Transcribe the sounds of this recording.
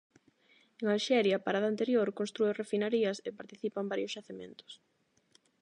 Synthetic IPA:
eŋalʃɛɾjɐpaɾaðaːnt̪eɾjoɾkõnst̪ɾuɪrefinaɾiɐsepaɾt̪iθipɐmbaɾjʊsʝaθemẽnt̪ʊ̥s

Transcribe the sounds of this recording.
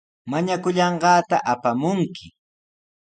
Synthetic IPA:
maɲakʊʎɑɴɢɑːt̪aʔapamʊŋkɪ

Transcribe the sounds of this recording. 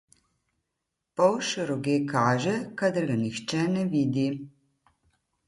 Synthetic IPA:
pɔwʃɾɔɡeːkaːʒɛkad̪əɾɡanixt͡ʃɛnɛʋiːd̪i

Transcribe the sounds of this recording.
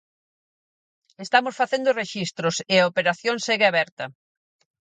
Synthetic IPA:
est̪amʊsfaθend̪ʊreʃist̪ɾʊsɪɐopeɾaθjoŋseɣɪaβɛɾt̪ɐ

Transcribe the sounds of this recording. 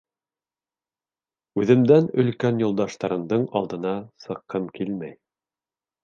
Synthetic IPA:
ʉðɘ̆md̪ænɵ̆lkænjulˠd̪ɑʃt̪ɑɾɤ̆md̪ɤɴɑlˠd̪ɤ̆nɑsɤ̆qʰːɤmkilmæj

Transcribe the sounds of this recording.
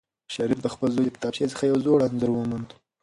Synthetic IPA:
ʃɑɾifd̪əxpəlzojd̪əkɪ̥t̪ɑbʃet͡sə̥xajawzoɽanzəɾwəmand̪

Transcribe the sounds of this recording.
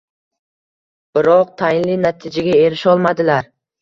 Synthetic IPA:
b̥ɪɾɒq̚t̪ʰajɪnlɪnat̪ʰɪd͡ʒaɡʲae̞ɾɪʃɒlˠmad̪ɪlaɾ

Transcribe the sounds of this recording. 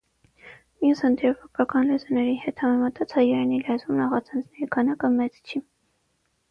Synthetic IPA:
mijushənd̪iɛvɑkʰɑkɑnlɛzɑnɛɾihɛt̪hɑmɛmɑt̪ʰɑt͡sʰhɑjɑɾɛnilɛzumnɑχɑt͡sʰɛnd͡znɛɾikʰɑnɑkəmɛt͡st͡ʃʰi

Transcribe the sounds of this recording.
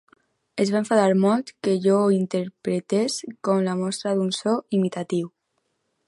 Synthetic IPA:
ezβaeɱfaðaɾmɔlˠt̪keʒɔint̪əɾpɾet̪eskɔmlamɔst̪ɾaðunsɔimit̪at̪iw

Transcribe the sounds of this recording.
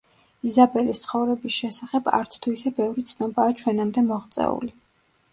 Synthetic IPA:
izabɛlist̪sʰχɔvɾɛbisʃɛsaχɛba̰ɾt̪sʰt̪ʰuisɛbɛvɾit̪sʰnɔbaːt͡ʃʰwɛnamd̪ɛmɔʁt̪sʼɛ̰ṵli

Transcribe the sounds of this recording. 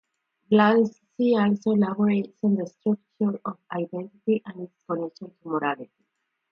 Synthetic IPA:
blanssiɔlsolaboɾetsɔ̃nd̪əst̪ɾuk̚t͡ʃuɾɔvaɪd̪ɛ̃nt̪it̪iʔæ̃nitskɔnɛkʃɔ̃ntʰumoɾalit̪i

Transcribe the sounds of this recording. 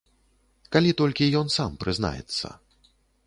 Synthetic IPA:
kalʲit̪ɔlʲkʲijɔnsampɾɨzna̰jɛ̰t̪sːɐ̰

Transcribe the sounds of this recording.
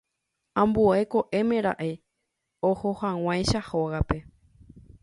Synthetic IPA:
ãmbueko̞ʔe̞mẽ̞ɾa̰ʔe | ohohãw̃ãjʃahoɣape̞

